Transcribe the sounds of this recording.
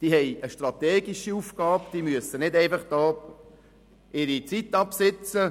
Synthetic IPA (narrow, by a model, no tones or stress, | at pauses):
d̥iːhɛjəʃtrɑt̪ɛːɡiʃiufɡ̥ɑːpd̥iːmyəsənɪdɛɪfɑχd̥ɔː | ɪɾit͡sitːɑpsɪt͡sə